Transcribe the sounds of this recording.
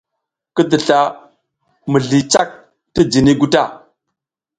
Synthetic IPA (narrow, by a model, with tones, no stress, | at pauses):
kə˦də˨ɬa˨ | mə˨ɮi˨t͡ʃa˦k̚ | ti˦d͡ʒi˨ni˦ɡu˦ta˦˨